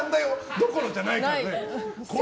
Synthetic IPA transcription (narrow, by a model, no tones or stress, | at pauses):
nd̪ajod̪oko̞ɾod͡ʑanaineko